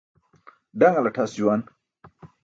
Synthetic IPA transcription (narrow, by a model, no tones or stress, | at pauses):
ɖɐŋalɐʈʰasd͡ʑuwan